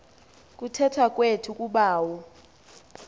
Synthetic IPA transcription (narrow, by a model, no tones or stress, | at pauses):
kʼutʰɛtʰak̬ʼwetʰukʼuɓaːwɔ